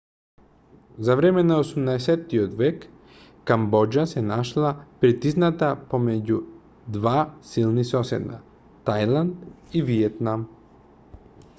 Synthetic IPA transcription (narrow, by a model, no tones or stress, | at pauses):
zaʋɾemenaosumnaeset̪iod̪ʋekː | ambod͡ʒasenaʃlˠapɾit̪iznat̪apomed͡ʑu | d̪ʋaːsilˠnisosḛd̪na̰ | t̪ajlˠand̪iʋiet̪nam